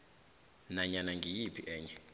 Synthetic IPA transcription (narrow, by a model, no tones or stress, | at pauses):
naɲanaŋɡʱijipʰiʔɛːɲd͡ʒɛ